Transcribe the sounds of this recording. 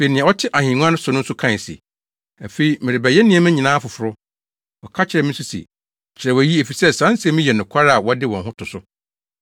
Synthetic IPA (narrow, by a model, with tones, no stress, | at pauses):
se˨nɪ̃˨ɛ̃˨ɔ˦tʰɪ˦ʔa˨hĩ˨ŋ˦ã˦nʊ̃˦sʊ̃˨nʊ̃˦n̩˦sʊ˦kʰã˦˨sḭ˨ | æ˨fe˨i˦mɪ̃˨ɾɪ˨bæ˨jɛ˦nɪ̃˦ɛ̃˨˦mɪ̃˦ɲĩ˨nãː˦fʊ˨fʊ˨ɾʊ˦ | ɔ˨kʰa˦t͡ɕʰɪ˨ɾɛ˨mɪ̃˦su˦sḭ˨ | t͡ɕʰɪ˨ɾɛ˨wɔ˨ji˦e˨fi˨sɛ˦sã˦n˦sɪ˨˦ɛ˦mĩ˦jɛ˨nʊ̃˨kʷʰa˦ɾa˨wɔ˦dɪ˦wɔ̃˨ɦʊ̃˦tʰʊ˨sʊ˦